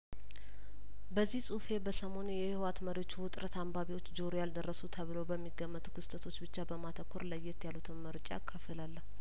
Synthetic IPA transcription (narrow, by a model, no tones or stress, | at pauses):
bəzːihsʼufe̞bəsəmo̞njɛhwat̪məɾewot͡ʃːuwʊt̪ʼɾət̪ambaβiwo̞t͡ʃːd͡ʒoɾjald̪ərːəsut̪ʰəβɨlowbəmːiɡəmːət̪u̥kʰɨst̪ʰət̪ʰo̞t͡ʃːbɨt͡ʃːabəmat̪ʰəkʰːoɾləjːɛt̪jalut̪ʰɨnməɾt͡ʃʼa̰kʰːəfəlalːəh